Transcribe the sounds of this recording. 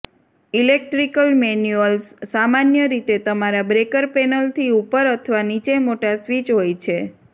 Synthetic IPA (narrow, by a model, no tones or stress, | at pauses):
ilek̚ʈɾikəlmenjuəlsːamanjəɾit̪et̪əmaɾabɾekəɾpɛnəlt̪ʰiupəɾət̪ʰəʋanit͡ʃemoʈasʋit͡ʃɦojt͡ʃʰe